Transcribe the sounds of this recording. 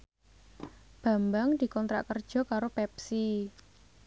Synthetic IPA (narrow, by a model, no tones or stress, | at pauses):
b̥a̤mbaŋdi̤kɔnt̪ɾa̰ʔkərd̥ʒ̥ɔ̤kaɾopɛp̚si